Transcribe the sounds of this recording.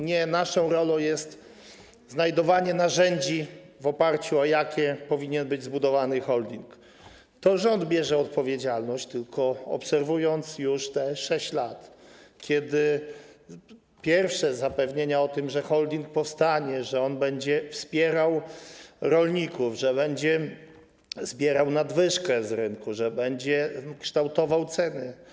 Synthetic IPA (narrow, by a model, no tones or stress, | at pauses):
ɲɛnaʂɔ̃w̃ɾɔlɔ̃w̃jɛst̪ | znajd̪ɔvaɲɛnaʐɛɲd͡ʑivɔpaɾt͡ɕuɔjakʲɛpɔvʲiɲɛnbɘd͡ʑzbud̪ɔvanɘxɔld̪ʲiŋk | t̪ɔʐɔnd̪bʲjɛʐɛɔt̪̚pɔvʲjed͡ʑalnɔɕt͡ɕt̪ɘlkʰɔɔ̰psɛɾvujɔnt̪sjuʂt̪ɛʂɛɕt͡ɕlat̪kʲʰɛd̪ɘ | pʲjɛɾfʂɛzapɛvɲeɲaɔt̪ɘmʐɛxɔld̪ʲiŋk̚pɔfst̪aɲɛʐɛɔnbɛɲd͡ʑɛfspʲjɛɾaw | ɾɔlɲikuvʐɛβɛɲd͡ʑɛ | z̥bʲjɛɾawnad̪vɘʂkɛzɾɘŋkuʐɛbɛɲd͡ʑɛkʂt̪awt̪ɔvawt̪sɛnɘ